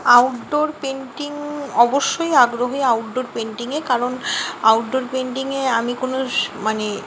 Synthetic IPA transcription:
awʈɖoɾpeɳʈiŋɔboʃːojaɡɾoɦiawʈɖoɾpeɳʈiŋekaɾona̰wʈɖoɾpeɳʈiŋeamikonomane

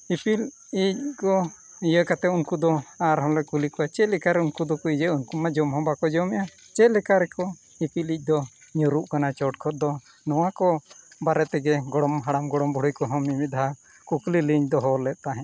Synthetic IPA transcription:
ipil | ic̚kɔ | ijəkat̪ɛunkud̪ɔaɾɦɔ̃lɛkulikɔat͡ʃɛlɛkaɾɛunkud̪ɔkuid͡ʒəunkumad͡ʒɔmɦɔ̃bakɔd͡ʒɔmɛʔa | t͡ʃɛlɛkaɾɛkɔ | ipilic̚ˀd̪ɔɲuɾuʔkanat͡ʃɔʈ̚kʰɔɾ̚d̪ɔ | nɔwakɔbaɾɛt̪ɛɡɛɡɔɽɔmɦaɽamɡɔɽɔmbɔɽujkɔɦɔmimit̪̚d̪aa | kukliliɲd̪ɔɦɔlɛt̪̚ˀt̪aɦɛ̃

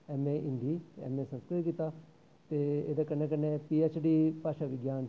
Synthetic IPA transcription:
ɛːmeːʔɪnd̪iːɛ̰ːmẽːsə̃nskɾɪtkiːt̪aː | t̪eːḛːd̪aːkəɾnẽːk̬əneːpiːɛːt͡ʃɖiːpaːʃaːʋɪɡjaːn

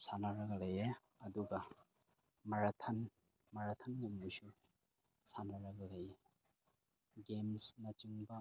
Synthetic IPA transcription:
sanaɾɐɡɐlɐje | ɐduɡɐ | mɐɾatʰɐn | mɐɾatʰɐnːambusu | sanaɾɐɡɐlaje | ɡemsnɐt͡ʃiŋbɐ

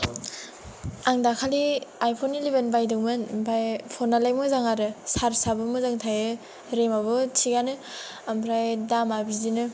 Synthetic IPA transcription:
aŋdakʰaliajpʰonilibenbajdɯŋmɯnbajpʰɔnalajmɯzaŋaɾɯsaɾsabɯmɯzaŋtʰajɯ | ɾemaβɯtʰiɡanɯ | ampʰɾajdamabizinɯ

